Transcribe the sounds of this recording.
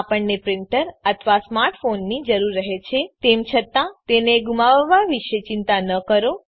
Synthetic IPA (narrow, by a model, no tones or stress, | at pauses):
apəɳːepɾɪɳʈəɾət̪ʰʋasmaɾʈfonːid͡ʒəɾuɾːəɦet͡ʃʰet̪emt͡ʃʰət̪ãt̪eneɡumaʋʋaʋiʃet͡ʃɪnt̪anəkəɾo